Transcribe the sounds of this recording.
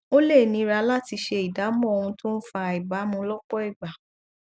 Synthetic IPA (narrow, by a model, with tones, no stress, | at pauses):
o˦le˦˨nĩ˨˧ɾa˧˦la˦ti˧ʃe˧i˨da˨˦mɔ̃˦˨o˧hũ˧tõ˦n̩˦fa˧˨i˨ba˨˦mũ˧lɔ˦k͡pɔ˦i˦˨ɡ͡ba˨